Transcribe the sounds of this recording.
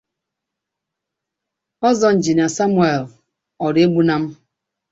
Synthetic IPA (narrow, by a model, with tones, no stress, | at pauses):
ɔ˦zɔ˨n̩˨d͡ʒi˨n˨a˨sa˦mu˦e˨l | ɔ˨ɾe˦ɡ͡bu˦na˦m̩˦